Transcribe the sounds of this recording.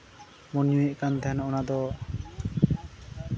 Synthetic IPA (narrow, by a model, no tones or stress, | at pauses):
mɔnjuɛʔkand̪ɛɦɛnɔnad̪ɔ